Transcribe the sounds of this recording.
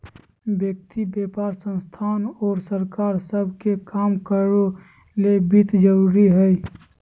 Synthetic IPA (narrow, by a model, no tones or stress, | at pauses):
bjək̚t̪ibeːpaːɾsə̃nst̪ʰaːnɔːɾsəɾkaːɾsəbʱkekaːmkəɾo | lebit̪d͡ʒəɾuːɾiɦɛi